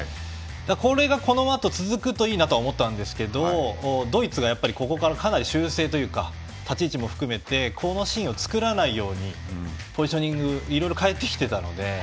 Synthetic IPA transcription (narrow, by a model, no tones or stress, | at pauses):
d̪̥ako̞ɾe̞ɡako̞no̞at̪o̞t͡sɨzɨkɯ̟t̪o̞iːnat̪o̞aomo̞t̪ːãnd̪e̞sɨ̥ke̞d̪od̪o̞it͡sɨɡajapːaɾʲiko̞ko̞kaɾakanaɾʲiɕɨːse̞ːt̪o̞jɯ̟ːka | t̪at͡ɕiːt͡ɕimo̞ɸɯ̟̥kɯ̟me̞t̪e̞kʰo̞no̞ɕĩo̞t͡sɨ̥kɯ̟ɾanaijo̞ːɲ̟i | poʑiɕo̞ɲ̟ĩŋɡɯ̟iɾo̞iɾo̞kae̞t̪ːe̞kʲi̥t̪e̞t̪ano̞̰d̪e̞